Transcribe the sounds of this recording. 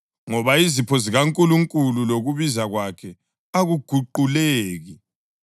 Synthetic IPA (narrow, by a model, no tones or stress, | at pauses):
ŋɔβaizipʰɔziɣaŋkʼuluŋkʼululoɣuβizaɣwakʰɛ | aɣuɡ̥ʱuǃuleːɣi